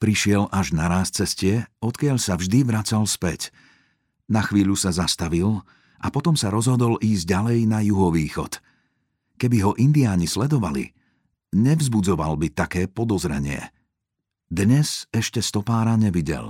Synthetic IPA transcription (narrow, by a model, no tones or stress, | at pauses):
pɾiʃɪɛlʔaʒnaɾaːstt͡sɛscɪɛɔt̪kɪaʎsavʒd̪iʋɾat͡salspɛc | naxʋiːʎusazast̪aʋil | ʔa̰pɔt̪ɔmsaɾɔzɦɔd̪ɔlʔiːzɟ̚ɟalɛjnajuɦɔʋiːxɔ̰t̪ | kɛbiɦɔʔind̪iaːɲislɛd̪ɔʋalḭ | ɲɛvzbud͡zɔʋa̰lbit̪akɛːpɔd̪ɔzɾɛɲɪɛ̰ | d̪ɲɛzɛʃcɛst̪ɔpaːɾaɲɛʋiɟɛ̰l